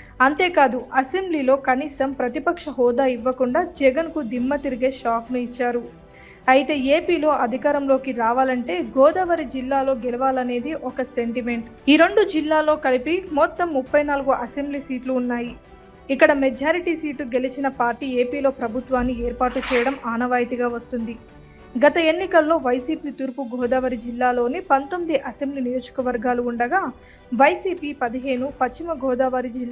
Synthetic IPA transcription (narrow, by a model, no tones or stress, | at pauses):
ɐnt̪e̞ːkaːd̪uʔɐse̞mbliːlo̞ːkɐniːsɐmpɾɐt̪ipɐkʂɐɦɔːd̪aːiʋːɐkuɳɖaːd͡ʒɛɡɐnkud̪imːɐt̪iɾiɡeːʃaːknuit͡ʃːaːɾu | ɐjit̪e̞ːeːpiːlo̞ːʔɐd̪ʱikaːɾɐmlo̞ːkiɾaːʋaːlɐɳʈe̞ːɡɔːd̪ɐʋɐɾid͡ʒilːaːlo̞ːɡelɐʋaːlɐne̞ːd̪iʔɔkɐse̞ɳʈime̞ɳʈ | iːɾe̞ɳɖud͡ʒilːaːlo̞ːkɐlipimɔt̪ːɐmːupːɐjnaːluɡuʔɐse̞mbliːsiːʈluːnːaːji | ikːɐɽɐmed͡ʒaːɾiʈisiːʈluɡe̞lit͡ʃinɐpaːɾʈːiːe̞ːpiːlo̞ːpɾɐbʱut̪ʋaːnːieːɾpaːʈːut͡ʃɛːjɐɽɐmaːnɐʋaːjt̪iɡaːʋɐst̪und̪i | ɡɐt̪ɐe̞nːikɐlːo̞ːʋɐjsiːpiːt̪uːɾpuɡʱɔːd̪aːʋɐɾid͡ʒilːaːlo̞ːnipɐnt̪o̞mid̪iʔɐse̞mbliːnijo̞ːd͡ʒɐ̥kɐʋɐɾɡaːluːɳɖɐɡaː | ʋɐjsiːpipɐd̪iɦe̞ːnupɐt͡ʃt͡ʃːimɐɡʱɔːd̪aːʋaɾid͡ʒilː